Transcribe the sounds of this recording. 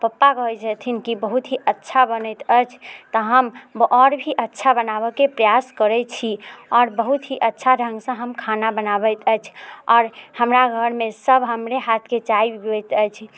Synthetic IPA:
pəpːakəd͡ʒət̪ʰinkibəɦut̪ɦiʔətːʃʰabənɛt̪əjt͡ʃʰt̪ɔɦəmʔɔɾbʱiʔətːʃʰabənaβəkepɾəjaskəɾɛt͡ʃʰiɔːɾbəɦut̪ɦiʔətːʃʰaɾʱə̃ŋɡsə̃ɦəmkʰanabənabət̪ʰəjt͡ʃʰɔːɾhəmɾaɡʱəɾmesəbʱɦəmɾeɦat̪ʰket͡ʃaibɛt̪əjt͡ʃʰ

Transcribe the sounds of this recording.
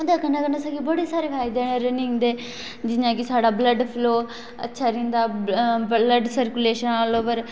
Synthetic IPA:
d̪aːkənãkənaːsaɡiːbəɽeːsaːɾeːpʰaːɪd̪eːeɾənɪ̃ŋɡd̪eː | d͡ʒɪnãːkɪsaːɽaːbləɖpʰloː | ə̰tːʃʰaːɾĩːnd̪aː | ləɖsəɾkʊleːʃənaːloːpəɾ

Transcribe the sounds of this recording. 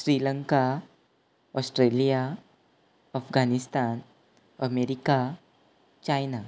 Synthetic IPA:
ɕɾiləŋka | ɔsʈɾelija | əfɡʱanist̪an | əmeɾika | t͡ɕajna

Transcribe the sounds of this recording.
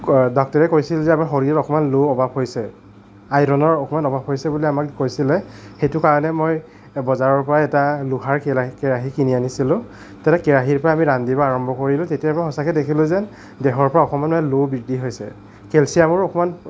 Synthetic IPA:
dɔk̚tɔɹɛkojsilzɛamaxoɹiɹɔɔkɔmanloɔbabɦojsɛ | ajɾɔnɔɹɔkɔmanɔbabɦojsɛbuliamakkojsilɛxejtʊkaɹɔnɛmoj | bɔzaɹɔɹpɔɹaɛtaluɦaɹkɛɹaɦikinianisilʊ̃ | tatɛkɛɹaɦiɹpɔɹaːmiɹandibaaɹɔmbʱɔkoɹilʊ̃tetijapaxɔsakɛdekʰilʊ̃zɛ | dɛɦɔɹpɔɹaɔxɔmanmɔɛlobidiɦojsɛ̰ | kɛlsiamʊɹɔkɔman

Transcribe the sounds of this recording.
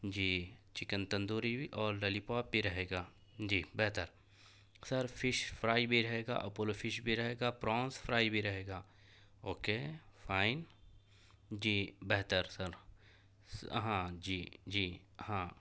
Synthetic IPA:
d͡ʒiːt͡ʃɪkə̃nt̪ɐ̃nd̪uːɾibʱiʔɔːɾːɐlipaːp̚bʱiɾɐɦeːɡaː | d͡ʒiːbɛɦt̪əɾ | sɐɾpʰɪʃfʰɾaːibʱiɾɐɦeːɡa̰ːʔɐpolfʰɪʃbʱiɾɐɦeːɡaːpɾɔ̃ːnsfʰɾaːibʱiɾɐɦeːɡaː | oːkeːfʰaːɪn | d͡ʒiːbɛɦt̪əɾsəɾ | ɦãːd͡ʒiːd͡ʒiː | hãː

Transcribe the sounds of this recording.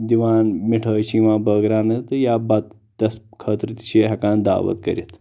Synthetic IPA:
d̪iʋaːnmiʈʰəːt͡ʃʰiːʋãːbəɡɾaːnɐt̪ɨjaːbɐt̪ | t̪ɐskʰəːt̪ɾit̪i̥t͡ʃʰiːɦɐkãːnd̪a̰ːʋɐ̰t̪kɐ̰ɾʲit̪

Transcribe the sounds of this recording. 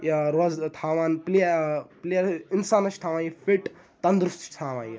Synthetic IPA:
jɐɾoːzt̪ʰaːʋaːnplipliɐɾinsaːnɐʃt̪ʰaːʋaːnjifiʈ | t̪ɐnd̪ɾust̪t̪ʰaːʋa̰ːni

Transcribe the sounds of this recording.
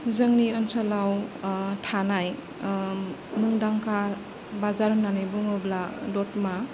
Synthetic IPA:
zəŋniənsalawtʰanaj | muŋdaŋkʰa | bazaɾnanibuŋɯbladɔt̚ma

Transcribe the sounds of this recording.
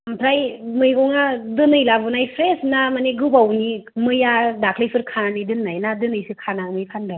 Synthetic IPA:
ampʰɾajmɯjɡɔŋadɯnɯjlabɯnajpʰɾesnamaneɡɯbawnimɯjadakʰlejsʰɯɾkʰananidɯnːajnadɯnɯjsɯkʰanamɯjpʰandɯ

